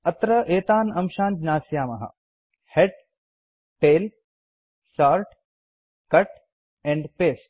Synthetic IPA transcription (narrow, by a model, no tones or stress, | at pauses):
ɐt̪ɾɐʔeːt̪aːnɐmʃãːnd͡ʒnaːsjaːmɐɦɐ̰ | heʈ | ʈeːl | saːɾʈ | kɐʈ | ɛ̃ɳɖpeːsʈ̚